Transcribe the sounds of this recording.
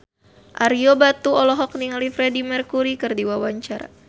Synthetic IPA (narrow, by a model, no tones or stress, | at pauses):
ʔaɾiobat̪uɔlɔɦɔk̚niŋalifɾedimərkuɾikɨrdiwawaɲt͡ʃaɾa̰